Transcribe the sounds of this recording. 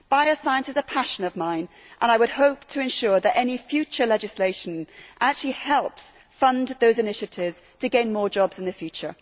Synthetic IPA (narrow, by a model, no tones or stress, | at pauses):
b̥aɪəsaɪə̃nsɨzəpʰaʃə̃nʌvmãɪ̃n | ʔə̰̃ñaɪwəd̚hoʊp̚tʰəɨ̃nʃʊɹðəɾɛnifjʉt͡ʃə˞lɛd͡ʒɪsleɪʃə̃nʔak̚t͡ʃʉl̩ˠihɛlˠps | fʌ̃nðoʊzɨnɪʃɨtʰɪvz̥tʰɨɡẽɪ̃nmɔɹd͡ʒɒbz̥ɨ̃n̩ðɨfjʉt͡ʃə̰˞